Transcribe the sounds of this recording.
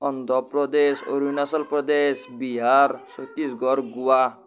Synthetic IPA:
ɔnd̪ʱɔpɾɔd̪eso̰ɾujnasɔlpɾɔd̪esbiɦaɾsot̪ːisɡɔɾɡua

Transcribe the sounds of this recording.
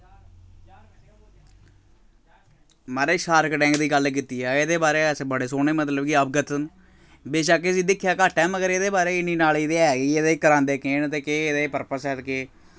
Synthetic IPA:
maːɾeːʃaːɾkʈɛ̃ːŋɡd̪iːɡəlk̬iːt̪iːɛːɪd̪eːbaːɾeːsbəɽeːsoːneːmət̪ləbkɪəb̚ɡət̪ən | beːʃakːɪsiːd̪ɪkʰːjaːkaːʈːɛːməɡəɾeːd̪eːbaːɾeːɪniːnaːlɪd̪eːɛːɡiːed̪eːkəɾãːnd̪eːkeːnt̪eːkeːd̪eːpəɾpəsɛːt̪keː

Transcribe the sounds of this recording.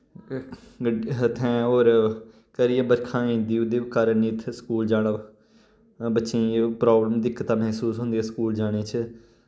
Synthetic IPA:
ɡəɖət̪ʰɛ̃ːoːɾ | kəɾɪːaːbəɾkʰãːĩːnd̪iːʊd̪eːkəɾəniːt̪ʰskuːld͡ʒaːɽa | bətːʃĩːpɾaːbləmd̪ɪkːət̪ãːmɛɦsuːsɦʊ̃nd̪eeskuːld͡ʒaːɽ̃eːt͡ʃʰ

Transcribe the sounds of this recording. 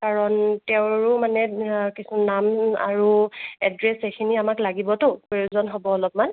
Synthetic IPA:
kaɹɔntɛʊ̃ɹʊmanɛkisunama̰ɹuɛdɹesekʰiniamaklaɡibɔtʊpɹojuzɔnɦobɔɔlɔp̚man

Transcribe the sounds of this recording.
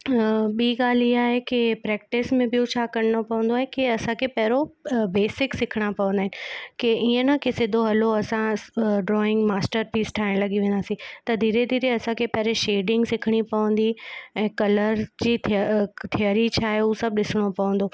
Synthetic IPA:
ɓiːɡaːl̤iaːɦekɪpɾɛːk̚ʈɪsmẽɓijot͡ɕʰaːkɐɾɽ̃opɐʋə̃n̆d̪oaːɦekiɐsãkʰepɐɦɪɾobeːsɪksɪkʰɪɽ̃apɐʋə̃nd̪aːɦɪnɪkeiːə̃nə̆kʰesɪd̪ʱoɦɐloɐsãɖɾɔːɪ̃ŋɡmaːsʈəɾpiːsʈʰaːɪɽ̃lɐɠiʋẽːn̆d̪aːsĩt̪ɐd̪ʱiːɾed̪ʱiːɾeɐsãkʰepɐɦɪɾeʃeːɖɪ̃ŋɡsɪkʰɪɽ̃ipɐʋə̃nd̪iɛ̃ːkɐləɾd͡ʑiːt̪ʰijəɾit͡ɕʰaːɦeuːsɐb̚ʱɗɪsɪɽ̃opɐʋə̃nd̪o

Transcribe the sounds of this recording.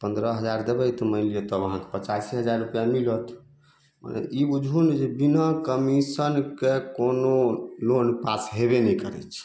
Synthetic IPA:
pənd̪ɾəɦəd͡ʒaɾd̪ebəjt̪ɔməɪlijet̪ɔʋəɦãke̥pət͡ʃasiɦəd͡ʒaɾːupjamilət̪ | ma̰nḛʔibud͡ʒʱɦund͡ʒebinəkəmisənkekonolonpasɦebenɛikəɾɛ̰t͡ʃʰ

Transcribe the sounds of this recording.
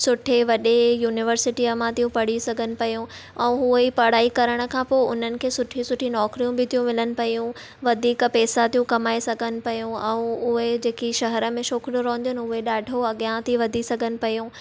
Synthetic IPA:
sʊʈʰeʋɐɗejuːnɪʋəɾsɪʈiɐmãt̪ijũpɐɽ̤isɐɡʱənɪ̆pɐjũɛ̃ːɦuəipɐɽ̤aːikɐɾəɽ̃ə̆kʰãːpoːʊ̰n̤ənɪ̆kʰeːsʊʈʰisʊʈʰinɔːkɾijũbɪt̪ʰijũmɪlənɪ̆pɐjũ | ʋɐd̪ʱiːkpɛːsat̪ijũkɐmaːesɐɡʱənɪ̆pɐjũɛ̃ũʊɦed͡ʑeːkiʃɐɦəɾə̆mẽʃoːkɽjõɾɐɦnd̪ijʊnɪɦʊɦeɗaːɖʱoɐɠjãt̪ʰiʋɐd̪ʱisɐɡʱənɪ̆pɐjũ

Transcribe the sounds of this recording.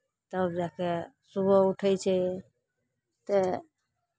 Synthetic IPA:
t̪əbd͡ʒake | subəuʈʰəjt͡ʃʰɛ | t̪e

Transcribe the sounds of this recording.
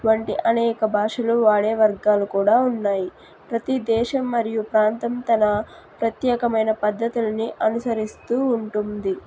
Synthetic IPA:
ʋɐɳʈiʔɐnɛːkɐbʱaːʂɐluʋaːɽeːʋɐɾɡaːlukuːɽaːunːaːji | pɾɐt̪id̪ɛːʃɐmːɐɾijupɾaːnt̪ɐmt̪ɐnɐ | pɾɐt̪jɛːkɐmɐjnɐpɐd̪ʱːɐt̪ulɐniʔɐnusɐɾist̪uːɳʈund̪i

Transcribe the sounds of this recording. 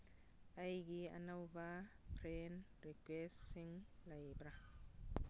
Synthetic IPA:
ajɡia̰nawbapʰren | rikwestiŋlajbɾa

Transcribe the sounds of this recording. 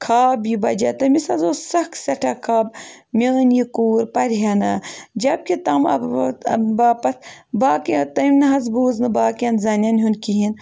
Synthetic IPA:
kʰaːbibɐd͡ʒɐt̪ɐmisɐzoːsɐksʲɐʈʰɐkʰaːbmʲɐːnjikuːɾpɐɾɦɐnad͡ʒɐb̚kʲit̪ɐmɐ̰ | baːpɐt̪baːkt̪ɐmʲnɨɦɐzbuːznɨbaːkʲjɐnzɐnʲɐnɦunkiɦin

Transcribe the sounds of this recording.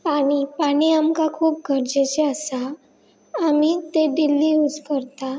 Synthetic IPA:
paɽ̃ipaɽ̃iamkakʰuːp̚ɡʱəɾd͡ʑet͡ɕeəsaː | mit̪eɖilːiud͡zfəɾt̪a

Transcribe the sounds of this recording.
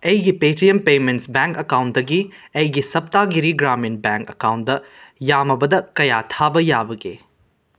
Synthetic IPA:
ɐjɡipetiempementsbeŋkɐkawntdɐɡiɐjɡisɐp̚taɡiɾiɡɾaminbɛŋkɐkawnt̚d̪ɐjamɐbɐdɐkɐjatʰabɐjabɐɡḛ

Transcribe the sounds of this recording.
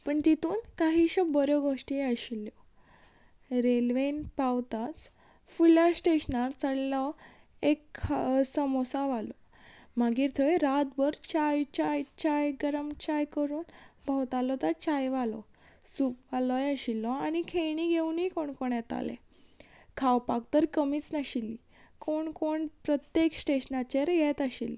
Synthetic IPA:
pəɳt̪it̪uːnkaɦiːɕɔbɔɾjɔɡʱoʂʈiəɕilːjɔ | ɾelʋenpawt̪at͡s | fulasʈeɕnaɾt͡səɽlɔ | eksəmɔsaʋalɔ | maɡiːɾt̪ʰəeɾat̪bəɾt͡ɕajt͡ɕajt͡ɕajɡəɾəmt͡ɕajkəɾuːnbʱawt̪alɔt̪əɾt͡ɕajʋalɔ̰ | supʋalɔjaɕilːɔanikʰeɳiɡʱeunikoɳkoɳjɛt̪a̰lḛ | kʰawpak̚t̪əɾkəmiːt͡snəɕili | koɳkoɳpɾət̪jeksʈeɕnat͡ɕeɾjɛt̪əɕilːi

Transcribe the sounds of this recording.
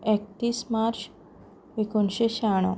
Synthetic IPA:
ek̚t̪iːsmaɾt͡ɕ | ekonɕeɕaɳ̃ɔ̰

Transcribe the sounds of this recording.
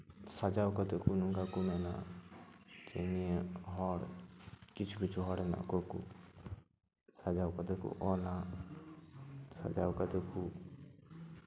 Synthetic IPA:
sad͡ʒawkɐt̪ekʰunuŋɡakumena̰ | t͡ʃemieɦɔɽkit͡ʃʰukit͡ʃʰuɦɔɽena̰kokṵ | sad͡ʒawkɐt̪ekʰṵʔɔna | sa̰d͡ʒawkɐt̪ekʰu

